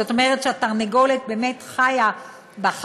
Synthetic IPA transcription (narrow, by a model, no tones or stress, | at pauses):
ot̪omeʁetʃeataʁneɡo̞let̪̚be̞ːmet̪χaja | baχ